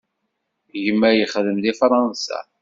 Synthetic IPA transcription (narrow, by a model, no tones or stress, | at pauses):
ʝəmːæjəχðəmlifɾˤɑnsa̰